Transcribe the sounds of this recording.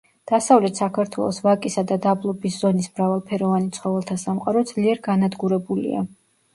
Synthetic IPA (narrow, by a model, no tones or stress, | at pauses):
d̪̥asavlɛt̪ʰsakʰaɾt̪ʰwɛ̰lˠɔsvakʼisad̪ad̪ablˠɔbisz̥ɔnismɾavalˠpʰɛɾɔvanit̪sʰχɔvɛlˠt̪ʰasamqʼaɾɔd̪z̥liɛɾɡanad̪ɡuɾɛbulḭa̰